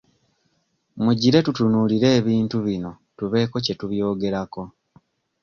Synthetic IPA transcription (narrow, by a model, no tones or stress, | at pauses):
muɟiɾe̞tutunuːliɾe̞ːβiːntuβino̞ | tuβe̞ːko̞ce̞tuβjo̞ːɡe̞ɾako̞